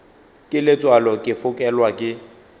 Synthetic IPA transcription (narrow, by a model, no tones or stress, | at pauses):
kʼɪlɪt͡sʼwalɔkʼɪfʊkʼɛlwakʼɪ